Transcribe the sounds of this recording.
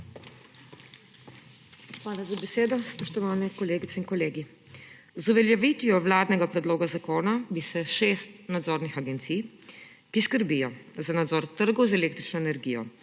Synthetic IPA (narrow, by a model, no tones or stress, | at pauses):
xʋaːlazabɛseːd̪ɔspɔʃt̪ɔʋaːnɛkɔleːɡit̪sɛinkɔleːɡi | zuʋɛljaʋiːt̪ijɔʋlaːd̪nɛɡapɾɛd̪loːɡazakoːnabisɛʃeːst̪nad̪zoːɾnixaɡɛnt̪sij | kiskəɾbijɔzanad̪zɔːɾt̪əɾɡɔwzɛleːkt̪ɾit͡ʃnɔɛnɛɾɡijɔ̰